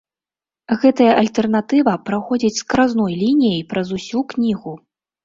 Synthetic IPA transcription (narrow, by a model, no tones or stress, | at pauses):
ɣɛt̪ɐjɐʔɐlʲt̪ɛrnat̪ɨvɐpɾaxɔd͡zʲit͡sʲskɾaznɔjlʲinʲijɐjpɾɐzusʲuknʲiɣu